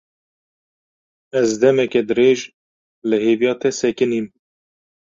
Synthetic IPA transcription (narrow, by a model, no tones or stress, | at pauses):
ɛzd̪ɛmɛkɛd̪ɨɾeːʒ | lɨheːvijɑːt̪ʰɛsɛkɨniːm